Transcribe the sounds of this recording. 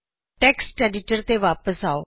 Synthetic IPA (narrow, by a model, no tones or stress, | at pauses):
ʈɛːksʈɛːɖɪʈəɾt̪eʋaːpəsaːoː